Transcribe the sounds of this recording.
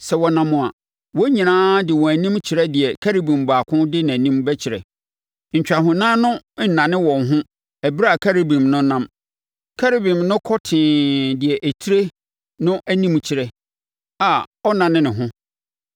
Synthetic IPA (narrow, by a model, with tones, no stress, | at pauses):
sɛ˨wɔ˨nã˨mʊ̃˨a̰˨ | wɔ˦ɲĩ˨nãː˦dɪ˨wɔ̃˨æ˨nĩ˦mt͡ɕʰɪ˨ɾɛ˦dɪ˨ɛ˨kʰæ˦ɾi˦bĩ˨mbaː˨kʰʊ̃˦dɪ˦nã˨nĩ˦mbɛ˦t͡ɕʰɪ˨ɾɛ̰˨ | ɲ̩˨t͡ɕᶣa˨ɦʊ̃˨nãː˦nʊ̃˦n̩˨nã˨nɪ̃˦wɔ̃˨nɦʊ̃˦ | ɛ˨bɾa˨kʰa˦ɾi˦bĩ˨mnʊ̃˦nã˦m | kʰa˦ɾi˦bĩ˨mnʊ̃˦kʰɔ˦tʰɪ̃ː˨dɪ˨ɛ˨ʔæ˨tʰi˦ɾe˦ | nʊ̃˦ʔæ˦nĩ˦mt͡ɕʰɪ˨ɾɛ˨ | a˨ɔ˦nã˨nɪ̃˦nɪ̃˨ɦʊ̃˦